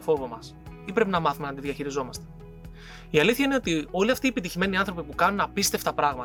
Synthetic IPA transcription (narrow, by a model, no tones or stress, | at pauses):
fo̞vo̞mɐs | ipɾe̞pinɐmɐθume̞ɐnd̪iðʝɐçiɾizo̞mɐst̪e̞̥ | iɐliθçɐine̞o̞t̪io̞liɐft̪iepit̪içime̞niɐnθɾo̞pipukɐnunɐpist̪e̞ft̪ɐpɾɐɣmɐ